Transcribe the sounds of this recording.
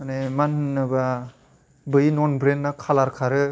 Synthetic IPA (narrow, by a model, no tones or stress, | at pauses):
anemanːɯba | bɯjnɔnbɾenːakʰalaɾkʰaɾɯ